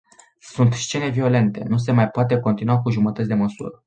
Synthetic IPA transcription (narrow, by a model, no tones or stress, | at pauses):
sunt̪st͡ʃe̞ne̞vio̞le̞nt̪e̞̰nus̬e̞majpoat̪e̞ko̞nt̪inuakuʒumət̪ət̪sʲd̪e̞məsṵɾə